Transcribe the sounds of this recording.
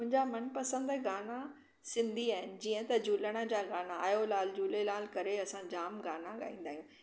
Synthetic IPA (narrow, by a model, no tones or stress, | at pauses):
mʊ̃ɦɪ̃ɲd͡ʑamɐnpɐsə̃nd̪ɛɡaːna | sɪ̃nd̪ʱiaːɦɪnɪ̆d͡ʑiːə̃t̪ɐd͡ʑuːləɽ̃ə̆d͡ʑaːɡaːnaaːjolaːld͡ʑuːlelaːlkɐɾeɐsãd͡ʑaːmɡaːnãɠa̰ːĩːn̆d̪aːɦijũː